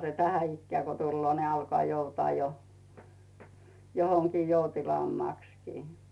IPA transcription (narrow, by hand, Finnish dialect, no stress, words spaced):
se tænæ ikːĕæˑ ko tulːoː ni ɑlkŏɑˑ joutŏɑˑ jo johoŋkiː joutilɑːmːɑˑkskiː